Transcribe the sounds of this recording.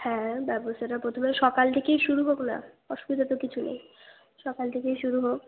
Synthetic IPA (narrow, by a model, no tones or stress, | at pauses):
hɛ̃bɛboseʈapɾot̪ʰomeʃɔkalt̪ʰekejʃuɾuɦokna̰ | ɔʃu̥bit̪at̪okit͡ɕʰunḛj | ʃɔkalt̪ʰekejʃuɾuɦok̚